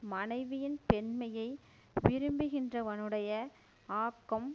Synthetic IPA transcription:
mɐnɐɪʋɪjɪnpɛnmɐjɐɪ | ʋɪɾɯmbɯɣɪndrɐʋɐnɯɽɐjɐ | aːkːɐm

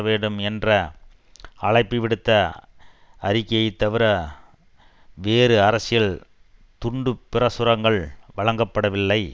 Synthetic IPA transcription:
ɐʋeːɳɖɯmɛndrɐ | ɐɭɐɪpːiʋɪɽɯt̪ːɐ | ɐɾɪkːɐjɐɪt̪ːɐʋɪɾɐ | ʋeːɾɯɐɾɐsɪjɐɭ | t̪ʊɳɖɯpːɪrɐsʊɾɐŋɡɐɭʋɐɭɐŋɡɐpːɐɽɐʋɪlːɐɪ

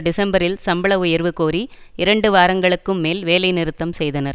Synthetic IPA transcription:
ɖɪsɐmbɐɾɪlsɐmbɐɭɐʋʊjɐɾʋɯkoːɾi | ɪɾɐɳɖɯʋaːɾɐŋɡɐɭɯkːɯmːeːlʋeːlɐɪnɪɾɯt̪ːɐmsɛjðɐnɐɾ

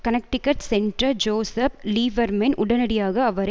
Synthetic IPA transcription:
kɐnɐk̚ʈɪkːɐʈsɛɳɖrɐd͡ʒoːsɐpliːʋɐɾmɛnʔʊɽɐnɐɽɪjaːɣɐːʋɐɾɐ

